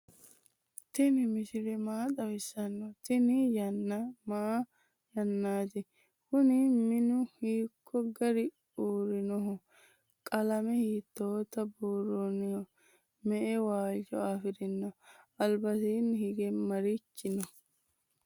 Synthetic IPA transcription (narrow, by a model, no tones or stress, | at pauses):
t̪ɪnɪmɪʃɪɾɛmaːt̪ʼɐwɪsɐnːɔt̪ɪnɪjɐnːɐmaː | jɐnːaːt̪ɪ | kʊnɪmɪnʊhiːkʰːɔɡɐɾɪ | uːɾɪnɔɦɔ | kʼɐlɐmɛhiːt̪ːoːt̪ːɐbuːrːɔnɪhɔ | mɛʔɛwaːt͡ʃɔaːfɪɾɪnːɔɐlbɐsiːnːhɪɡɛmɐɾit͡ʃːɪnɔ